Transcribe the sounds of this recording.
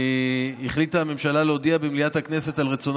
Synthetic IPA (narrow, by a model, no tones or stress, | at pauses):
iχlit̪ame̞mʃalaleodiabemliathaknese̞talʁet͡son